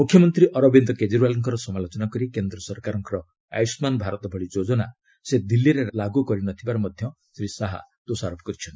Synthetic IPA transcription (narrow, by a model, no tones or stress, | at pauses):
mukʰːjɔmɔnt̪ɾiʔɔɾɔbind̪ɔked͡ʒiɾualɔŋkɔɾɔsɔmalot͡ʃɔnakɔɾikend̪ɾɔsɔɾkaɾɔŋkɔɾɔ | a̰jsmanbʱaɾɔt̪ɔbʱɔɭid͡ʒod͡ʒɔna | sed̪ilːiɾelaɡukɔɾinɔt̪ʰibaɾɔmɔd̪ʱjɔ | sɾisaɦa̰d̪̥osaɾopʰɔkɔɾit͡ʃʰɔnt̪i̥